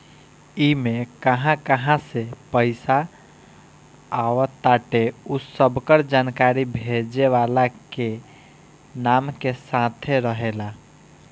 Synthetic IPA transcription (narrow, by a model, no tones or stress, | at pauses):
imekəɦãkəɦãsepəɪsa | ʋət̪aʈeusəbkəɾd͡ʒankaɾibʱed͡ʒeʋalake | namkesat̪ʰeɾəɦela